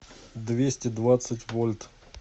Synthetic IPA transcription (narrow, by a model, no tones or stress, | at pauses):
d̪vʲesʲtʲɪd̪vat̪sɨtʲvolʲt̪